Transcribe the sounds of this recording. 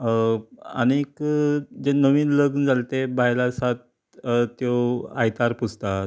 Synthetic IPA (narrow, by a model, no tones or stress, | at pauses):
a̰nekd͡ʑenəʋiːnləɡnd͡zalt̪ebajlasat̪̚ | t̪joajt̪aɾpust̪a